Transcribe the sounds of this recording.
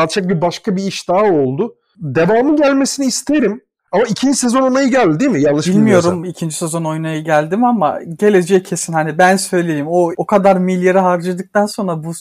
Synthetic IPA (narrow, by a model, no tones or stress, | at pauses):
alt͡ʃʰak̚bibaʃkʰabiiʃd̪aːo̞lˠd̪ʊ | d̪e̞vaːmɯɟælʲme̞siniːst̪ʰeeɾim | amaicʰind͡ʒisezono̞jnajɯɟælʲd̪d̪imijanˠɯʃbilʲmijo̞ɾumicʰind͡ʒisezo̞no̞junajɯɟælʲd̪imama̰ɟe̞lʲe̞d͡ʒɛcʰːe̞sinhanibænsø̞jlʲeeɾjimo̞okʰad̪aɾmilʲjeɾɛɦaɾd͡ʒɯd̪ɯk̚t̪ʰanso̞nɾabu